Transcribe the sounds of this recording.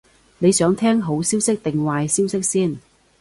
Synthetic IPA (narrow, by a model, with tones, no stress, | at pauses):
ne˨˧jsœː˨˥ŋt̪ʰɛː˥ŋɦo˨˥wsiː˥wsɪ˥k̚t̪ɪ˨ŋwaː˨˧jsiː˥wsɪ˥k̚siː˥˩n